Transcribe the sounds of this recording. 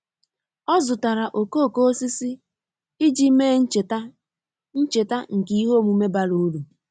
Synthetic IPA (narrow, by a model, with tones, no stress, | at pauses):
ɔ˦zʊ˨ta˨ɾa˨ʔo˨ko˦˨ko˦o˦si˦si˦ | ɪ˦d͡ʒi˦me˦˨t | n̩˦t͡ʃe˨ta˦ŋ̩˨kɪ˨˦i˦ɦo˦˨mu˨me˦ba˦ɾu˦ɾu˨